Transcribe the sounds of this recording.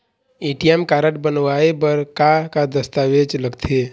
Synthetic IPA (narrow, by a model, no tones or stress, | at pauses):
eːʈijɛmkaːɾəʈbənwaːebəɾkakad̪əst̪aːʋeːd͡ʒləɡt̪ʰe